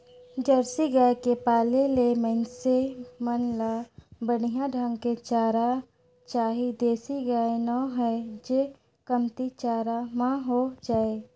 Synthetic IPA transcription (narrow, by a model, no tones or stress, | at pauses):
d͡ʒəɾsiɡaekepaːlelemənsemənlaːbəɽijãɖʱə̃ŋɡket͡ʃaːɾa | t͡ʃaːɦid̪eːsiɡəenɔːɦɛd͡ʒe | kəmt̪it͡ʃaːɾamãɦod͡ʒaːe